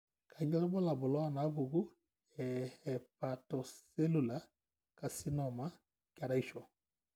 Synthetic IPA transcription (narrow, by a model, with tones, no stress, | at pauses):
kʰa˨ɲɔ˦ɾɔ˦bɔ˦la˨bʊ˨lɔ˦a˦˨na˨˦βu˨ɡu˦ | ɛ˨hɛ˨pa˨tɔ˨se˦lu˨la˨˦ | ka˨si˦nɔ˨ma˦ | ka˨ɾa˦i˦ʃɔ˨